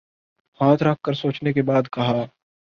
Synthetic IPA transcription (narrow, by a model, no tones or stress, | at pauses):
haːt̪ʰɾɐk̚ʰːəɾsoːt͡ʃnek̬ebaːd̪kɐɦaː